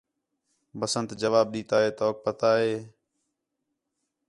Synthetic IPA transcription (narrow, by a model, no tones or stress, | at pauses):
bəsənt̪d͡ʒəʋaːb̚ɗiːt̪aːɦeːt̪oːk̚pət̪aːɦeː